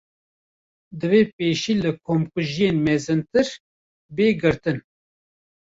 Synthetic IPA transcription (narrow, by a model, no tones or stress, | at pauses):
d̪ɨveːpeːʃiːlɨkʰoːmkʊʒijeːnmɛzɨnt̪ɨɾ | beːɡɨɾt̪ɨn